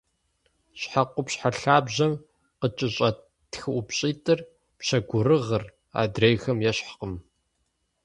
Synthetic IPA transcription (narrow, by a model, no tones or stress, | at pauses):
ɕħaqʷʊpɕħaɬaːbʑɐm | qət͡ʃʼɪɕʼɐ | txɨʔʊpɕʼiːtʼɨr | pɕɐɡʷʊɾɨʁər | a̰ːdrejxɐmjɛɕħqəm